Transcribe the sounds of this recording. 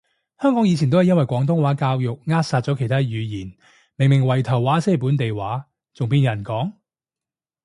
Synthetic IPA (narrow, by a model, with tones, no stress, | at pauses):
hœː˥ŋkɔː˨˥ŋjiː˨˧t͡sʰi˨˩t̪o˥wɐ˨jɐ˥nwɐ˨jkʷɔː˨˥ŋt̪ʊ˥ŋwaː˨˥kaː˧wjʊ˨k̚ŋaː˥t̚saː˧t̚t͡sɔ˨˥kʰe˨˩jt̪ʰaː˥jyː˨˧jiː˨˩n | mɪ˨˩ŋmɪ˨˩ŋwɐ˨˩jt̪ʰɐ˨˩wːaː˨˥sɛː˥˩puː˨˥nt̪e˨jwaː˨˥ | t͡sʊ˨ŋpiː˧njɐ˨˩nkɔː˨˥ŋ